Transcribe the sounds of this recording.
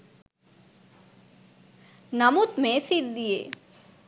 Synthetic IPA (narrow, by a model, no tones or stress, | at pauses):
nɐmut̪mẽsid̪̚d̪ijḛː